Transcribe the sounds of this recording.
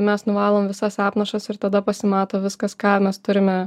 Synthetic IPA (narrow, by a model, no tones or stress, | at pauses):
mʲɛsnʊʋɑːlˠoːmʋʲɪsɐsɑːpnɐʃɐsɪɾt̪ɐd̪ɐpɐsʲɪmɑːt̪oːʋʲɪskɐskɑːmʲɛst̪ʊɾʲɪmʲɛ